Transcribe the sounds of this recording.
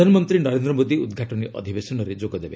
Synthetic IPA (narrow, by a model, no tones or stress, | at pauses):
anɔmɔnt̪ɾinɔɾend̪ɾɔmod̪iud̪ɡʱaʈɔniʔɔ̰d̪ʱibesɔnɔɾed͡ʒoɡɔd̪ebe